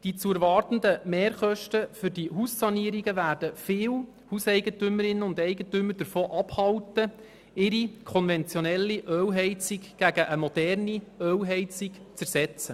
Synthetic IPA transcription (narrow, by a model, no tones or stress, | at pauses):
d̥it͡suəɾʋɑrt̪ən̩d̪əmeːɾχœʃtəfʏɾdiɦuːssɑniəɾiɡəʋæːrd̥əfɪːw | husɛɪɡətʏməɾɪnːəʊnd̪ɛɪɡətʏmːəɾd̥əɾfoːʔɑphɑwtə | ɪɾikʰɔnvɛnt͡sjonɛlːiʔœːwɦɛɪt͡sɪkɡ̥æɡəʔəmɔd̥ɛrniœwɦɛɪt͡sɪk | t͡sæɾsɛt͡sə